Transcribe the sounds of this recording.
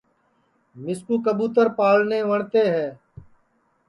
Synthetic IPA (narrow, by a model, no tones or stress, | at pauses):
mɪskuːkəbuːt̪əɾpaːlneːʋəɳt̪eːɦɛː